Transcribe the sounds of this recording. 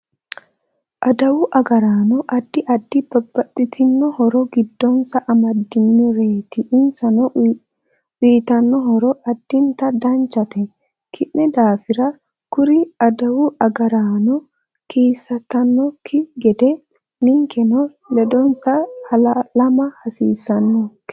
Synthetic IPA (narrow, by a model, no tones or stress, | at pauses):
ʔɐd̪ɐwʊʔɐɡɐɾaːnɔʔɐd̪ːɪʔɐd̪ːɪbɐbːɐt̪ʼːɪt̪ʰɪnːɔhɔɾɔɡɪd̪ːɔnsɐʔɐmɐd̪ːɪnːiɾeːt̪ɪʔːnsɐnɔ | wiːt̪ɐnːɔɦɔɾɔʔɐd̪̥ːɪnt̪ɐd̪ɐnt͡ʃːɐt̪ɛ | kʰɪʔːɛd̪aːfɪɾɐ | kʊɾɪɐd̪ɐwʊʔɐɡɐɾaːnɔ | kiːsːɐt̪ːɐnːɔkʰːɪɡɛd̪ɛ | nɪŋkɛnɔ | lɛd̪ɔnsɐhɐlɐlɐmɐhɐsḭːsɐnːɔkː